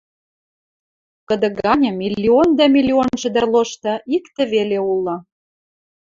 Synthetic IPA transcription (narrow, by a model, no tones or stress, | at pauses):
kə̆d̪ə̆ɡɑnʲɤ̆milʲːiond̪æmilʲionʒə̆d̪ə̆rloʃt̪ɤ̆ikt̪ə̆βeleulˠːɤ̆